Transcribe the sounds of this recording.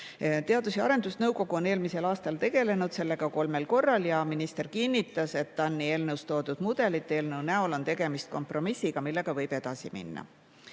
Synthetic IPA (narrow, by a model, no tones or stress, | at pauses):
t̪e̞ɑd̪useɑ̰ɾe̞nd̪̥usnɤwko̞ɡ̥uo̞ne̞ːlmise̞lɑːst̪ɑlt̪e̞ɡe̞le̞nud̪̥se̞lːe̞ɡ̥ɑko̞lme̞lko̞rːɑljɑminist̪e̞rkinʲːit̪ːˑɑse̞t̪ːɑnːie̞ːlnɤwst̪o̞ːd̪̥ud̪̥mud̪̥e̞lit̪ˑːe̞ːlnɤwnæolo̞nt̪e̞ɡ̥e̞mist̪̚ko̞mpro̞misːiɡ̥ɑmilːe̞ɡ̥ɑvɤ̞jb̥e̞d̪̥ɑsimḭnːɑ̰